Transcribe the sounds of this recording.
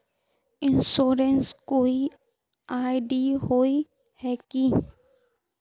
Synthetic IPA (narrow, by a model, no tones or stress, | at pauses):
ɪ̃nsoːɾenskoːi | aːɪɖiːɦoːi | hɛki